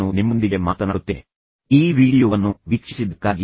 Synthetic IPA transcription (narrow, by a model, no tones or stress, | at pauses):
unimːond̪iɡe̞maːt̪ɐnaːɽut̪ːee | iːʋiːɽijoːʋɐnːuʋikʂisid̪ɐkːaːɡi